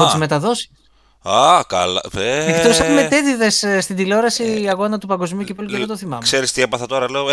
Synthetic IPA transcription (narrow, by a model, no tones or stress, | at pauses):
ot̪izme̞t̪ɐðo̞si̥ | akɐlɐ̰eekt̪osepumet̪e̞ðiðe̞sst̪ind̪ileoɾɐsiɐɣo̞nɐt̪upɐŋɡo̞zmiucepolieɣot̪oθimɐmkseɾist̪iepɐθɐt̪o̞ɾɐleo